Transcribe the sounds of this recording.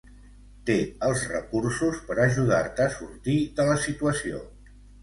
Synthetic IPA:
t̪eəlˠzrə̰kursuspəɾəʒuð̞aɾt̪əːsuɾt̪iðələsit̪uəsio̰

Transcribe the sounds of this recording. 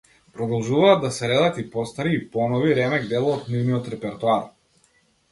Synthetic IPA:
pɾɔd̪ɔlˠʒuvaːd̪ːasɛɾɛd̪at̪ipɔst̪aɾiːpɔnɔviɾɛmɛɡ̚d̪ɛlˠaːt̪nivniɔt̪ɾɛpɛɾt̪uaɾ

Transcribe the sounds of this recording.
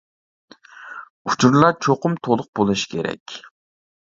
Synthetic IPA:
u̥t͡ʃʰuɾlˠɑt͡ʃʰoqʊmt̪ʰolˠʊq̚bolˠɨʃkʲʰeɾɛ̰kʲ

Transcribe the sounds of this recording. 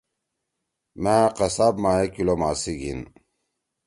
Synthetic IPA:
maqɐsabmaːekilomaːsiɡḭn

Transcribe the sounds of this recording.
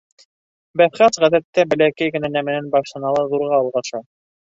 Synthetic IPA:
bæfχæsʁæðæt̪ːæbɘ̆lækæjɡɘ̆nænæmɘ̆nænbɑʃh̪ɤ̆nɑlˠɤðuɾʁɑːlˠʁɑʃɑ

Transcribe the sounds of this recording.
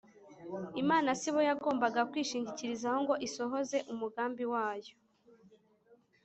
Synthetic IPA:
imaːnasiβojaɡo̞ːmbaɡakwiːʃiːɲɟiciɾizaho̞ŋɡo̞ʔiso̞ɦo̞ze̞ʔumuɡaːmbiwaːjo̞

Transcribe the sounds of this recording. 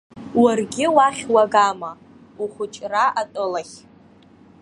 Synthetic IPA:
warɡʲɪwaχʲwaɡama | uχʷʊt͡ʃʼraʔatʼɨlaχʲ

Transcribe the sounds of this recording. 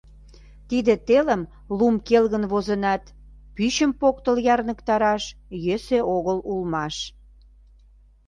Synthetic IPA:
t̪id̪ĕt̪eləm | lumkelɣənβozənɑt̪ | pyɕəmpokt̪əljɑrnəkt̪ɑɾɑʃjeseʔoɣəlulmɑʃ

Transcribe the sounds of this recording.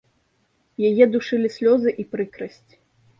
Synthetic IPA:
jajɛd̪uʂɨlʲisʲlʲɔzɨʔipɾɨkɾɐsʲt͡sʲ

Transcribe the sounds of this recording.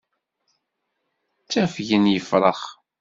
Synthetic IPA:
t͡sːæfʝənjəfɾˤəχ

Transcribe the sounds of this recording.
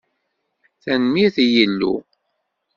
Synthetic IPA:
θænmiθjəlːṵ

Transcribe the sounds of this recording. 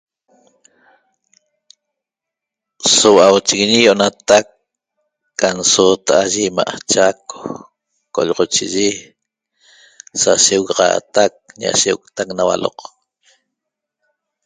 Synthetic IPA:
sowawt͡ʃiɣiɲijoʔonat̪akː | ansoːt̪aʔaʒima̰ʔt͡ʃako̥ | ko̰ʎʁot͡ʃiʒi | saʃewɣaʁɑ̰ːt̪ak̚ɲa̰ʃewukt̪aknawa̰lo̰q

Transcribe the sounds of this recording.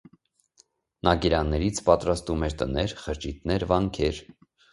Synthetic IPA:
nɑkiɾɑnːɛɾit͡sʰpɑt̪ɾɑst̪umɛɾt̪ənɛɾχəɾt͡ʃit̪̚nɛɾvɑŋkʰɛɾ

